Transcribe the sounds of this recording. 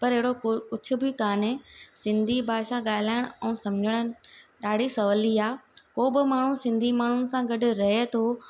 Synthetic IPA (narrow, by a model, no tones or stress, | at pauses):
pɐɾɦɪɦɪɽokʊt͡ɕʰʊ̆bɪkaːnesɪ̃nd̪ʱibʱaːʃãɠaːɪlaːɪɽ̃ʊɛ̃ũːsɐmd͡ʑʱəɽ̃əɗaːɽ̤isɐʋəliaːkoːbɪmaːɳ̤ũsɪ̃nd̪ʱimaːɳ̤ʊnɪ̆sãɡɐɖʊ̆ɾɐɦet̪ʰoː